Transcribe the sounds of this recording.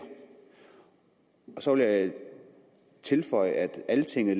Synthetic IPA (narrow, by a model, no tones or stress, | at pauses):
ɒ̽sɒ̽ʋe̝lja | t͡sʰe̝lfɒ̽ɪ̰əæd̥ælət͡sʰe̝ŋ̰ð̩ˠl